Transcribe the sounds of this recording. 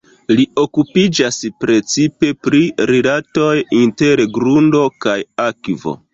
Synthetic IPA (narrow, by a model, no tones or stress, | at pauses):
lio̞kupid͡ʒaspɾe̞t͡sipe̞pɾiɾelato̞jinte̞ɾɡɾundo̞kajakvo̞̰